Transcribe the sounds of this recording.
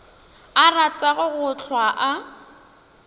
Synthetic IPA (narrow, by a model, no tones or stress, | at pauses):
arat͡sʼaɣʊɣʊt͡ɬʰwaʔa